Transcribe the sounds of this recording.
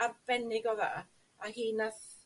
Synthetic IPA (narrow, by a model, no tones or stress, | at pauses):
abɛnɪɡɔða̰ʔ | ahiːnaθ